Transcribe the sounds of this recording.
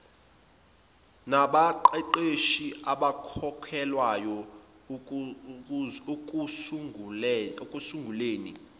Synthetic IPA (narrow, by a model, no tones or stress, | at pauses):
naɓaǃɛǃeʃiʔaɓakʰɔkʰɛlwajɔ | kʼ | kʼusuŋɡʱuleːni